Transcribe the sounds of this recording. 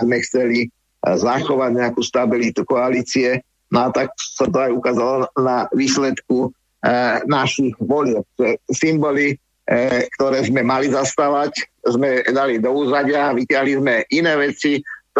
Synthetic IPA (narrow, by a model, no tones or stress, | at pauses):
zmɛxt͡sɛli | zaxɔʋaɟɲɛakuːst̪abilit̪ukɔaliːt͡siɛ | nɔat̪aksat̪ɔajukaːzalɔnaʋiːslɛt̪ku | naʃiɣʋɔʎjɛp̚t̪ɛsimbɔli | kt̪ɔɾɛːzmɛmalizast̪aːʋaczmɛd̪alid̪ɔuːzaɟɪaʋicɪaɦlizmɛʔinɛːʋɛt͡si